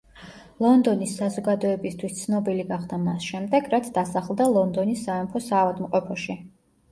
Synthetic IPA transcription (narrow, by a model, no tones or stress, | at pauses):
lˠɔnd̪ɔnisːazɔɡad̪ɔɛbist̪ʰwist̪sʰnɔbiliɡaχd̪amasʃɛmd̪ɛɡɾat̪sʰd̪asaχlˠd̪alˠɔnd̪ɔnisːaɛmpʰɔsaːvad̪mqʼɔpʰɔʃi